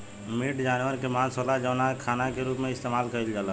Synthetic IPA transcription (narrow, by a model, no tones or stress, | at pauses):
miːʈd͡ʒaːnwəɾkemãːsoːlad͡ʒəːnakʰaːnakeɾuːpmẽɪst̪eːmaːlkəild͡ʒaːla